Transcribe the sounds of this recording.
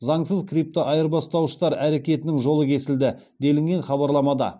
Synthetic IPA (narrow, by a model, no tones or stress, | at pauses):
zɑɴsəzkʰrip̚t̪oʔɑjəɾbɑst̪ɑwʃə̥t̪ɑɾæɾe̞kʲe̞t̪ɪnɪŋʒo̞lˠəkʲʰe̞sɪld̪ɪ | d̪e̞lɪŋɡʲe̞nχɑbɑɾlˠɑmɑd̪ɑ̰